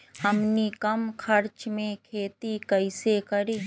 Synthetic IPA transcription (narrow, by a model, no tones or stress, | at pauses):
ɦɐmnikɐmkʰɐɾt͡ʃmẽkʰeːt̪ikɐɪsekɐɾiː